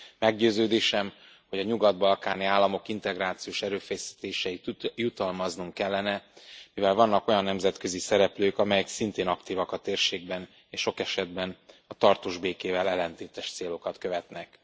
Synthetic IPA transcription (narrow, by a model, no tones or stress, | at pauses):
mɛɡɟøːzøːd̪eːʃɛm | ho̞ɟɒɲuɡɒd̪̚bɒlkaːniaːlːɒmo̞kint̪ɛɡraːt̪sijoːʃɛɾøːfɛjsi̥t̪eːʃɛit̪jut̪ɒlmɒznuŋkkɛlːɛnɛmivɛlvɒnːɒko̞jɒnːɛmzɛt̪kø̞zisɛɾɛpløːkɒmɛjɛksint̪eːnɒkt̪iːvɒkɒt̪eːrʃeːɡ̚bɛn | eːʃʃo̞kɛʃɛd̪bɛnɒt̪ɒrt̪oːʒbeːkeːvɛlɛlːɛnt̪eːt̪ɛʃt̪seːlo̞kɒt̪køvɛt̪nɛk